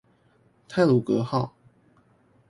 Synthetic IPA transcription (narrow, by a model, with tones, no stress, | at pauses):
t̪ʰa˥˩ɪlu˨˩kɤ˧˦xɑ˥˩ʊ